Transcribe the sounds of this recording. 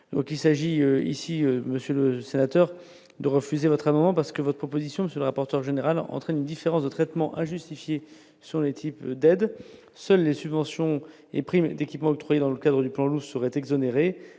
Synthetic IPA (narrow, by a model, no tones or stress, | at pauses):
d̪̥ɔ̃kilsaʒiøḭsiøməsjøləsenat̪œʁ | d̪əʁəfyzevɔt̪χamɑ̃d̪mɑ̃paʁsə̥kəvɔt̪χəpʰχɔpozisjɔ̃məsjələʁapɔʁt̪œʁʒeneʁalɑ̰̃t̪χɛnynd̪ifeʁɑ̃sd̪ət̪χɛt̪mɑ̃ʔɛ̃ʒyst̪ifje | sə̃let̪ʰipd̪ɛd̪ | sœlːesybvɑ̃sjɔ̃ | ḛpχimd̪ekʲipmɑ̃ɔk̚t̪χwajed̪ɑ̃ləkad̪ʁəd̪yplɑ̃lusəʁɛt̪ɛɡzɔneʁe